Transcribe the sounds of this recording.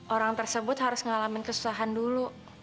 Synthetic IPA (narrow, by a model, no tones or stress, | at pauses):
ʔoɾaŋt̪ərsəbʊt̪haɾʊsŋəŋalamɪnkəsu̥saɦandulu